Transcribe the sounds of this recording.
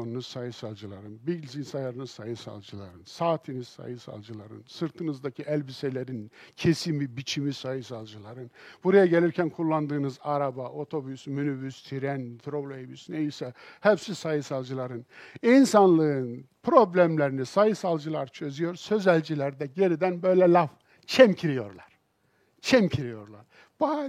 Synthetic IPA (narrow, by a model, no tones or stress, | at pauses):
onunusajɯsalˠd͡ʒɯlˠa̰ɾɯnbiɟlʲzinsajaɾɯnɯsajɯsa̰lˠd͡ʒɯlˠa̰ɾɯnsaːt̪ʰiniz̥sa̰jɯsa̰lˠd͡ʒɯlˠaɾɯ̰nsɯɾt̪ʰɯnɯzd̪acʰiʔælʲbiselʲeɾincʰesinbibit͡ʃʰimisajɯsalˠd͡ʒɯlˠaɾɯnb̥uɾajaɟe̞lʲiɾcʰænkʰulˠːand̪ɯːnɯzaɾabaʔo̞t̪ʰo̞bysmynyvyst̪ʰiɾɛnt̪ʰɾoblʲˠoebysnejisɛhɛpsisajɯsalˠd͡ʒɯlˠaɾɯninsanlˠɯɯnpʰɾo̞blʲæmlʲeɾinisajɯsalˠd͡ʒɯlˠaɾt͡ʃʰø̞zyjo̞ɾsø̞zælʲd͡ʒilʲæɾd̪ɛɟeɾid̪ænbø̞jlʲɛlʲaf | t͡ʃʰɛmcʰiɾijo̞̰ɾlˠaɾ̥ | t͡ʃʰɛmcʰiɾijo̞ɾlˠa̰ɾ̥ | b̥a